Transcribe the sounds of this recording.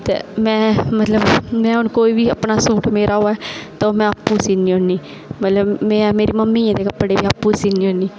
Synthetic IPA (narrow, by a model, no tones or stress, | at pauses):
t̪ḛːmɛ̃ːmət̪ləbmɛ̃ːɦʊnkoːiːʋiːəpnaːsuːʈmeːɾʔaːɦoːaɛːt̪õmɛ̃ːapːuːsiːniːɦoniː | mət̪ləbmɛ̃ːmeːɾiːməmːiːãːd̪eːkəpːɽeːʋiːapːuːsiːniːoniː